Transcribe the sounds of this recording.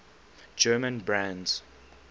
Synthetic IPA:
d͡ʒɜːmə̃nbɹãndz

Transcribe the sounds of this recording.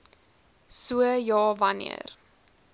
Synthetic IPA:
suəjɑːvɐnḭə̰r

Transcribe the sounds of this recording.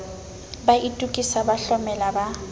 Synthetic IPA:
baʔitʼukʼisabaɬɔmɛlaba

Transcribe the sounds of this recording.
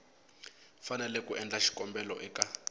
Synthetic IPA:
fanɛlɛkuʔɛnd͡ɮaʃi̥kɔmbɛlɔʔɛka

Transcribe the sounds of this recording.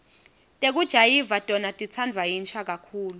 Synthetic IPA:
tʼek̬ud̥ʒ̥ʱajivatʼɔnatʼit͡sʰandʱwajint͡ʃʰak̬ʼakʰuːlu

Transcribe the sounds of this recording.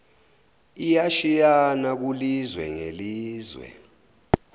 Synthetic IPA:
ijaʃijanak̬ulizwɛ̰ŋeliːzwɛ̰

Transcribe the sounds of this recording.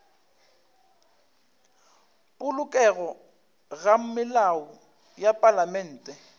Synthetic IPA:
pʼʊlʊkʼɛɣɔ | ɣam̩mɪlaɔ | japʼalamɛn̩ːtʼɛ

